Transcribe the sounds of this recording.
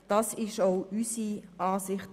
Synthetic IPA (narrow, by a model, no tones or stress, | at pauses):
d̥ɑsɪʃoʊʔysiʔɑːsɪχt